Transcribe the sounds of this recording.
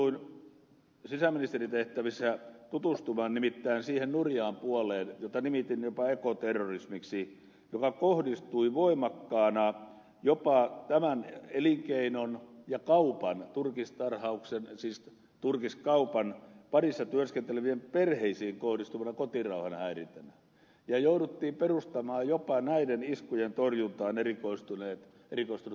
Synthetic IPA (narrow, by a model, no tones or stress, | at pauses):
uin | sisæminist̪erit̪eht̪æʋisːæt̪ut̪ust̪umɑːnnimit̪ːæinsiːhennurjɑːmpuoleːnjot̪ɑnimit̪injopɑekot̪erːorismiksi | jokɑkohdist̪uiʋoimɑkːɑːnɑ | jopɑt̪æmæneliŋkeinonjɑkɑupɑnt̪urkist̪ɑrhɑuksensiːs | t̪urkiskɑupɑnpɑrisːɑt̪yørskent̪eleʋiemperheisiːŋkohdist̪uʋɑnɑkot̪irɑuhɑnhæirint̪ænæ | jɑjouɾut̪ːiːmperust̪ɑmɑːjopɑnæideniskujent̪orjunt̪ɑːnerikoist̪uneːt̪ | erikoist̪un